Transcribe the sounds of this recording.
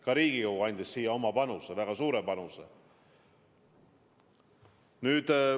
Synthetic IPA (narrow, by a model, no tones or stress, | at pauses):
kɑɾiːɡ̥ikowɡuɑjnʲd̪esːiːjɑo̞mɑpɑnusevæɡ̥ɑsuːɾepɑnuse | nyːd̪̥